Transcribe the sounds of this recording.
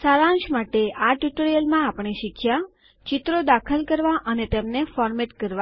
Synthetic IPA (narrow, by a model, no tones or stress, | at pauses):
saɾãnʃmaʈeʔaʈjuʈəɾijəlmãapɳ̃eʃɪkʰja | t͡ʃɪt̪ɾod̪akʰəlkəɾʋaʔənet̪emnefɔɾmeʈkəɾʋa